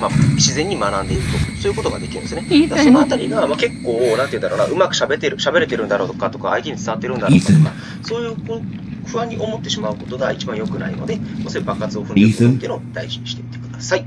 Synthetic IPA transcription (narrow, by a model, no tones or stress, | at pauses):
maɕizẽɲ̟ːimanãnd̪e̞iɾɯ̟t̪osoːjɯ̟ko̞t̪o̞ɡad̪e̞kʲiɾɯ̟nd̪eɨned̪aasono̞at̪aɾʲiɡamake̞kːo̞ːnãneiɯ̟nd̪aɾoːna̰ʔɯ̟makɯ̟ɕabe̞t̪eɾɯ̟ɕabe̞ɾe̞t̪eɾɯ̟nd̪aɾo̞ːt̪okat̪o̞ka̰ːit̪e̞ɲ̟it͡sɨt̪aβat̪ːeɾɯ̟̃nd̪aɾoktoka | so̞ːjɯ̟ːko | ɸɯ̟βãɲ̟ːiʔo̞mot̪ːe̞ɕimaɯ̟ko̞t̪o̞ɡait͡ɕibãɰ̃jo̞kɯ̟na̰ḭno̞̰d̪e̞kosoibakːat͡sɨo̞ɸɯ̃nt̪ːiɯnod̪aiʑiɲ̟iɕi̥ei̥t̪ekɯ̟d̪̥asai